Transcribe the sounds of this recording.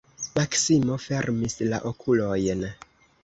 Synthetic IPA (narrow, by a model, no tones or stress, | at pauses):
maksimo̞fe̞ɾmisla̰ʔokʰulo̞jn